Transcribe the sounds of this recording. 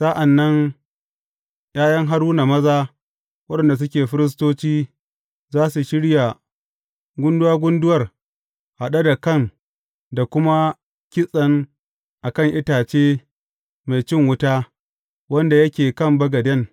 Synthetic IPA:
sa˦ʔa˨nːɐ˦ŋ | jaː˦jɐ˦ŋɦa˦ɾuː˦na˨mɐ˦zaː˦ | wɐ˦ɗɐ˨nda˨s̬ʊ˦kʲeː˨ɸɪ˦ɾɪ˦s̬toː˦t͡ʃiː˦ | zaː˦su˨ʃɪ˦ɽja˨ | ɡʷʊ˦ndʊ˦waː˦ɡʷʊ˦ndʊ˦wɐ˨r | ha˨ɗa˦da˨kɐ˦˨ŋ | da˨kʷʊ˦ma˦ | kʲɪ˦sʼɐ˨ŋ | ʔa˨kɐ˦˨ŋʔɪ˦taː˨t͡ʃeː˦ | ma˨jt͡ʃɪ˦˨ŋwʊ˦taː˦ | wɐ˦nda˨jɐ˦kʲeː˨kɐ˦˨mbɐ˦ɡɐ˨dɛ˦n

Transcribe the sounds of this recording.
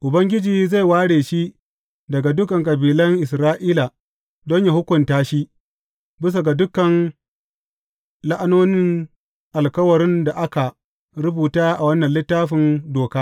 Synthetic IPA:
ʔʊ˨bɐ˦ŋɡʲɪ˦d͡ʒiː˨za˦˨jwaː˦ɽeː˨ʃi˦ | dɐ˨ɡa˨dʊ˦kɐ˨ŋkʼɐ˨biː˨lɐ˦ŋʔɪ˨sɾaː˦ʔiː˦la˨ | dɔ˦ɲja˨hʊ˦kʷʊ˨ntaː˦ʃi˦ | bɪ˦s̬a˨ɡa˨dʊ˦kːɐ˨n | la˦ʔa˦noː˦nɪ˦ŋ | ʔa˨lkɐ˦wɐ˨ɾɪ˦nda˨ʔa˦ka˨ | ɽʊ˦buː˨taː˦ʔa˨wɐ˦nːɐ˨nlɪ˦tːaː˦ɸɪ˨ndoː˨kaː˦

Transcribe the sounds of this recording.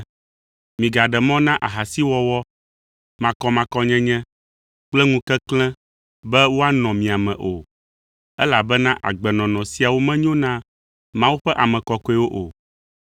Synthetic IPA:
mĩ˨ɡa˨ɖɛ˨mɔ̃˦nã˦ʔa˨ɦa˨si˦wɔ˦wɔ˦ | mã˨kɔ˦mã˨kɔ˦ɲɛ̃˦ɲɛ̃˦ | k͡plɛ˦ŋũ˦kɛ˦klɛ̃˦ | bɛ˦wo˦a˦nɔ̃˨mĩ˨a˨mɛ̃˨ʔo˨ | ɛ˦la˨bɛ˦nã˦ʔa̰˨ɡ͡bɛ˨nɔ̃˨nɔ̃˨si˨˦a˨wo˦mɛ̃˦ɲõ˦nã˦ | mã˦wu˦ɸɛ˦ʔa˨mɛ̃˨kɔ˨kɔ˦ɛ˦wo˦ʔo˨

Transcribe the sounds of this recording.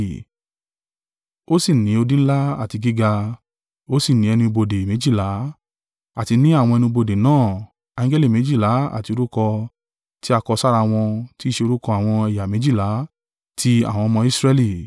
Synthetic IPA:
o˦si˦˨nĩ˨˦o˧dĩ˦n̩˦la˦a˦˨ti˧ɡi˦ɡa˧ | o˦si˦˨nĩ˨˦ɛ˧nĩ˧bo˧de˨mẽ˨˦d͡ʒi˦˨la˨˦ | a˦˨ti˧nĩ˦a˦˨w̃ɔ̃˧ɛ˧nĩ˧bo˧de˨nãː˦˨ | ã˨˦ŋ˦ɡɛ˦li˦˨mẽ˨˦d͡ʒi˦˨la˨˦a̰˨ti˧o˧ɾu˦kɔ˧ | ti˦a˧kɔ˧sa˦ɾa˧w̃ɔ̃˧ti˦˨ʃe˧o˧ɾu˦kɔ˧a˨w̃ɔ̃˧ɛ˧ja˨mẽ˨˦d͡ʒi˦˨la˨˦ | tʰi˧a̰˨w̃ɔ̃˧ɔ˧mɔ̃˧i˦sɾɛ˦˧li˦˨

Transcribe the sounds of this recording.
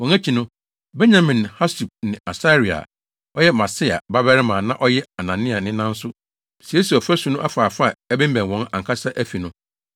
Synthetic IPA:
wɔ̃˨næ˦t͡ɕʰi˨nʊ̃˦ | bɛ˦ɲã˨mĩ˨nha˦su˨b̚nɪ̃˨a˨sa˦ɾi˨a̰˨ | ɔ˦jɛ˦mã˨sɪ˦a̰˨ba˦bɛ˦ɾɪ˦mã˨nã˦ʔɔ˦jɛ˦a˨nã˨nɪ̃˦a˨nɪ̃˦nã˦n̩˦sʊ˦ | si˨e˦si˨ɔ˨fæ˦su˨nʊ̃˦ʔa˦faː˨fa˦˨ɛ˦bɪ̃˦m˦bæ̃˨nwɔ̃˨˦nã̰˨ŋ˨kʰa˦sa˦ʔæ˦fi˨nʊ̃˦

